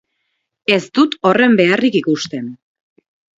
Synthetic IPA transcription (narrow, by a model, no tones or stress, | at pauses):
e̞st̪ut̪o̞re̞mbe̞arikikust̪e̞n